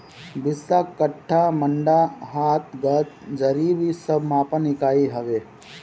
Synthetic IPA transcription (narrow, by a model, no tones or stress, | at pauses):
bɪsːakəʈʰːaməɳɖaɦaːt̪ɡɐt̪̚d͡ʒɐɾiːbisəbʱmãːpənɪkaːiɦɐʋeː